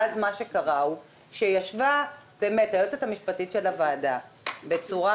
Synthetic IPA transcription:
azmaʃe̞kaʁau | ʃejaʃvabeːme̞tajot͡setamiʃpatitʃe̞lavaːda | be̞t͡suʁa

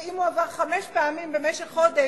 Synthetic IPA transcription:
imuavaʁχameʃpeamimbemeʃeχχod̪e

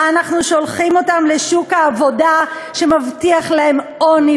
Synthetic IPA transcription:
anaχnuʃo̞lχimotamle̞ʃukhaːvo̞daʃe̞mavtiaχlae̞moni

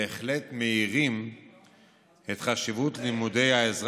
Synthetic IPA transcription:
χletme̞iʁim | e̞t̪χaʃivutnimude̞jaezʁ

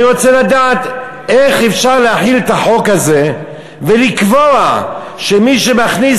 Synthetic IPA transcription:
ʁo̞t͡selad̪aːt̪ | eχefʃaʁleaħilet̪aħo̞khaze̞ | velikvoa | ʃemiʃe̞maχni

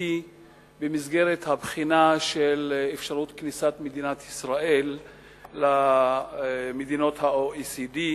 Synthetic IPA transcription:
i | bemizɡe̞ʁet̪habχinaʃelefʃaʁut̪knisat̪med̪inat̪isʁae̞lː | a | med̪ino̞thaoisidi

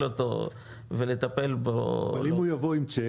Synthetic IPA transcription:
lot̪o̰ | velet̪ape̞lbolimujavoimt͡se

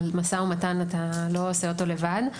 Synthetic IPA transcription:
lmasaumatanatalo̞oseo̞to̞le̞vad

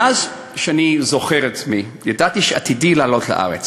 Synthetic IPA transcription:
az | ʃeanizoχeʁet̪mi | jadat̪iʃeat̪idilaːlo̞tla̰ʔa̰ʁet͡s

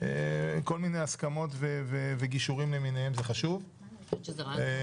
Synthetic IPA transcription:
eko̞lmine̞jaskamo̞t̪veveveɡiʃuʁimleminehemzeχaʃuv

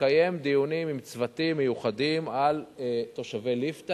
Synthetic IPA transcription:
aje̞md̪ijunimimt͡svat̪imːejuχad̪imalet̪o̞ʃavejlift̪a

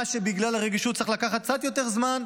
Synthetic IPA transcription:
ʃebiɡlalaʁeɡiʃut̪t͡siχlakaχat̪̚t͡sat̪jo̞t̪e̞ʁzman

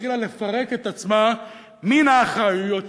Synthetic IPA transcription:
ilale̞faʁeket̪at͡sma | minaχajujot

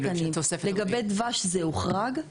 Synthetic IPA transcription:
kɐnimtosefleɡabed̪vaʃzeuχʁaɡ

